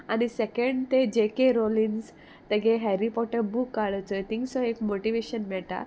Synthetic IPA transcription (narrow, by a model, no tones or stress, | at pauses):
añisekə̃ɳɖt̪ed͡ʑekeɾolins | t̪əɡeɦɛɾipɔʈəɾbukːaɭət͡sət̪ʰĩŋksɔ̃ekmoʈiʋeɕənmɛɭt̪a̰